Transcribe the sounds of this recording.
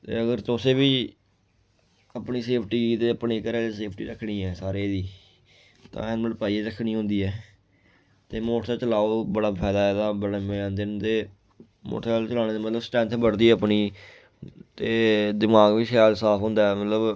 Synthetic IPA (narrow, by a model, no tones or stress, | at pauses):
t̪ḛːəɡəɾt̪ʊseːbiː | əpɳiːseːpʰʈiːt̪eːəpɳeːkəɾɛːeseːpʰʈḭːɾəkʰːɽiːɛːsaːɾeːd̪iː | t̪ã̰ːɛnməpaːieːɾəkʰːnĩːɦʊ̃nd̪iːɛː | t̪eːmoːʈʰt̪aːt͡ʃəlaːobəɽaːpʰɛːd̪aːɛːd̪aːbəɽmẽːnd̪ɪnd̪eː | mo̰ːʈʰaːlt͡ʃəlaːneːd̪eːmət̪ləbsʈɛ̃ːnt̪ʰbəɽd̪iːɛəpniː | t̪eːd̪ɪmaːɡbiːkʰaːlsaːpʰɦʊ̃ːnd̪aːɛmət̪ləb